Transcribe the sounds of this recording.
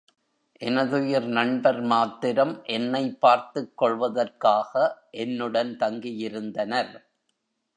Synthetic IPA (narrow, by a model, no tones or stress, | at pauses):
ʔɛnɐðɯjɪɾnɐɳbɐɾmaːt̪ːɪɾɐmʔɛnːɐɪpːaːɾt̪ɯkːɔɭʋɐðɐrkaːɣɐʔɛnːɯɽɐnt̪ɐŋɡɪjɪɾɯnd̪ɐnɐɾ